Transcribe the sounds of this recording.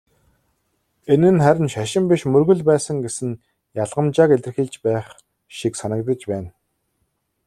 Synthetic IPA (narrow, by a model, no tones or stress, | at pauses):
enɘ̆nχæɾʲɪ̆nʃaʃɪ̆mpiʃmɵrɣɵ̆ɮpæːsə̆ŋɡesɘ̆n | jaɮʁə̆mt͡ɕaːkeɮʲt̪̆ɘ̆xiɮt͡ɕpæːχ | ʃiksanə̆k̚t̪ə̆t͡ɕpæːn